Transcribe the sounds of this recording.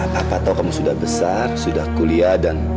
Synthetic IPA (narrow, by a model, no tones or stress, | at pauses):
apat̪awkamusudahbəsarsudahkuliadan